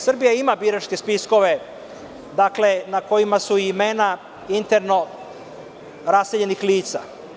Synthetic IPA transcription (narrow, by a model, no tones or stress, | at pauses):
srɾbijaimabiɾat͡ʃke̞spisko̞ʋe̞ | d̪akle̞nako̞jimasuimena | int̪e̞ɾno̞ | ɾaseʎe̞nixliːt̪sa